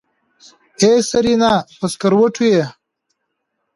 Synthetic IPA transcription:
eːsɐɾinaːpɐskɐɾwɐʈʰuje

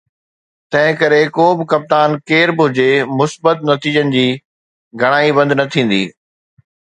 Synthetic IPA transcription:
t̪ɐ̃ɦɪ̃kɐɾekoːbɪkɐp̚t̪aːnkeːɾbɪɦʊd͡ʑemʊsbət̪nɐt̪iːd͡ʑənɪ̆d͡ʑiː | ɡʱɐɽ̃aːibɐ̃nd̪nɐt̪ʰĩːn̆d̪ḭː

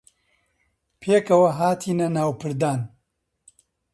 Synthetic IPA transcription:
pʰeːkɐwɐɦaːt̪ʰiːnɐnaːwpʰɨɾd̪aːn

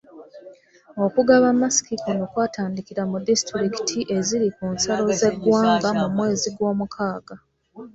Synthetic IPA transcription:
o̞kuɡaβamːasi̥kikono̞ːkwaːtaːndikiɾamudistɾiki̥tʰiʔe̞ziɾikuːnsalo̞ze̞ɡwaːŋɡamumwe̞ːziɡwo̞ːmukʰaːɡa

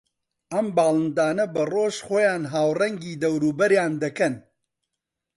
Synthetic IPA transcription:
ʔɐmbaːlˠɨnd̪aːnɐbɐroːʒχoːjaːnɦaːwrɐŋɡiːd̪ɐwɾuːbɐɾjaːnd̪ɐkɐn

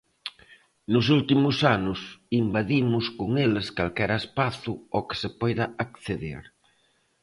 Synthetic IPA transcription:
nʊsult̪imʊsanʊsimbaðimʊskoŋelɪskalkɛɾaespaθʊokɪ̥sɪpɔjðɐakθeðḛɾ

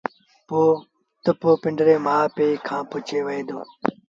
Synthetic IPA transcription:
poː | t̪əpoːpɪɳɖɾeːmaːpeːiːkʰãːpʊt͡ʃeːʋəeːd̪oː

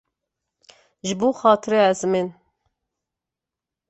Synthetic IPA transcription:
ʒɨbuːxɑːt̪ʰɨɾeɛzmen

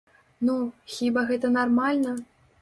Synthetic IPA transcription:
nuxʲibaɣɛt̪ɐnarmalʲnɐ

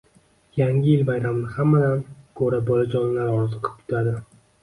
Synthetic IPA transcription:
jaŋʲɪjɪlbajɾamnɪhamːad̪ankʰɵɾabɒlad͡ʒɒnlaɾɒɾzɨqʰɨ̥p̚kʰʊ̥t̪ʰad̪ɪ

